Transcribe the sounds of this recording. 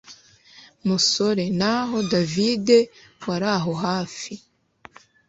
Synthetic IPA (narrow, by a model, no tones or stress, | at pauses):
muso̞ɾe̞naɦo̞davide̞waɾaɦo̞ɦaːfi